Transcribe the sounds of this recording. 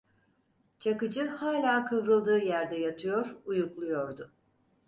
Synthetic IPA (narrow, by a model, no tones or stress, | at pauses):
t͡ʃʰakɯd͡ʒɯhaːlʲaːkʰɯvɾɯlˠd̪ɯːjæɾd̪ɛjat̪ʰɯjo̞ɾujuklˠujo̞ɾd̪ʊ